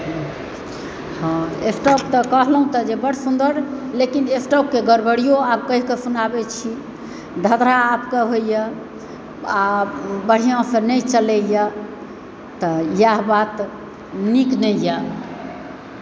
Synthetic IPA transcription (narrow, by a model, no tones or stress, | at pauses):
ɦ | hɔ̃esʈɔp̚t̪ɔkəɦlɦũt̪ɔd͡ʒebəɽ̤sũnd̪əɾlekinesʈɔp̚keɡəɾbəɽijoab̚kəɦkesunabɛt͡ʃʰi | d̪ʱəd̪ɾaːpkeɦojjə | abəɽ̤ijãsə̃nəjt͡ʃəlɛja | t̪ɔjaɦbat̪ | niknəja